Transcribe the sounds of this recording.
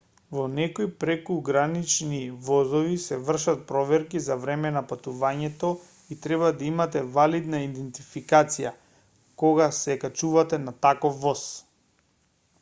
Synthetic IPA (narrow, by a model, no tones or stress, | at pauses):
vɔnɛkojpɾɛkuɡɾanit͡ʃnivɔzɔvisɛvr̩ʃat̪̚pɾɔvɛɾkizavɾɛmɛnapat̪uvaɲɛt̪ɔ | it̪ɾɛβad̪aimat̪ɛvalid̪naid̪ɛnt̪ifikat̪sija | kɔɡasɛkat͡ʃuvat̪ɛnat̪akɔfːɔs